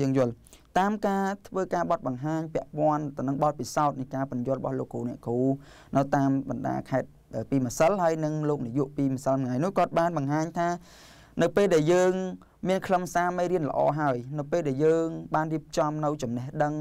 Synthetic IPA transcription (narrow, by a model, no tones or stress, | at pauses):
əːŋjʊ̆əl | t̪aːmkaːt̪ʰʋəːkaːɓɑt̪̚ɓɑŋɦaːɲpɛ̆əʔpŏənt̪ɨwnɨŋɓɑt̪̚pisaɔt̪̚nɨjkaːpʊnjʊ̆ərəɓɑ̰hloːkːoːnɛəʔkuː | nɨwt̪aːmɓɑnɗa̰ːkʰaɛt̪̚ | ʔəːpiːməsəlɦaəjnɨŋloːk̚nijuəʔpiːməsəlmŋajnʊəhkŏət̪̚ɓaːnɓɑŋɦaːɲt̪ʰaː | nɨwpeːlɗaɛljəːŋ | miənkʰləmsaːmejɾiənlə̰̆ʔɑ̰ːɦaəjnɨwpeːlɗaɛjəːŋɓaːnriəp̚t͡ɕɑmnɨwt͡ɕɑmnɛhɗəŋ